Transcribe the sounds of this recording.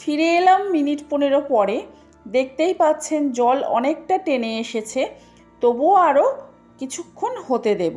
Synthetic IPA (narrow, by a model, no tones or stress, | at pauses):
fʰiɾeelamːiniʈponeɾopɔɾe | d̪ek̚ʰt̪ejpatːt͡ɕʰend͡ʑɔlɔ̰nek̚ʈaʈeneeʃet͡ɕʰe | t̪oboaɾo | kit͡ɕʰukʰːonhot̪ed̪ebo